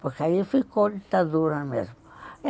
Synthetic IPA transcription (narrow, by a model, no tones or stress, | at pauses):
poɾkaifikod̪it̪aðuɾɐmḛzmʊ